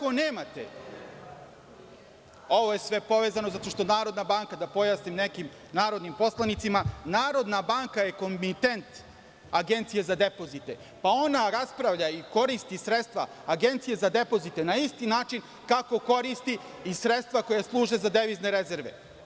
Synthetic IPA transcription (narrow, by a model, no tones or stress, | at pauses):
koneːmat̪ḛ | o̞ʋo̞je̞sʋe̞po̞ʋeːzanozat̪o̞ʃt̪o̞naːɾo̞d̪nabaŋkad̪apo̞jaːsnimne̞kim | naːɾo̞d̪nimpo̞slˠanit̪simanaːɾo̞d̪nabaːŋkaje̞ko̞mmit̪ent̪ | aɡent̪sije̞zad̪e̞po̞zit̪e̞ | pao̞naɾaspɾaʋʎaiko̞ɾist̪isɾet̪st̪ʋaːɡe̞nt̪sije̞zad̪e̞po̞zit̪enaist̪inaːt͡ʃin | kako̞ko̞ɾist̪iː | sɾet̪st̪vʋakojeslˠuːʒe̞zad̪eʋizne̞ɾeze̞ɾʋḛ